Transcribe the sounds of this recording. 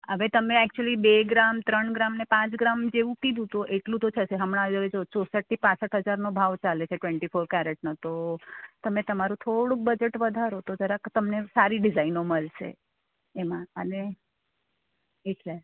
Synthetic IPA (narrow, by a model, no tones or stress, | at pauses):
ɦəʋet̪əmeɛkt͡ʃuəlibeɡɾamt̪ɾəɳɡɾamnepãt͡ʃɡɾamd͡ʒeʋũkid̪ũt̪oʔeʈlũt̪ot͡ʃʰəʃeɦəmɽ̃ãəʋed͡ʒot͡ʃosəʈ̚t̪ipãsəʈɦəd͡ʒaɾnobʱaʋt͡ʃalet͡ʃʰeʈʋeɳʈifʰoɾkaɾeʈnot̪ot̪əmẽt̪əmaɾũt̪ʰoɽũk̚bəd͡ʒeʈʋəd̪ʱaɾot̪ot̪əɾat̪əmnesaɾiɖɪzainoməlʃḛː | mãəne | eʈle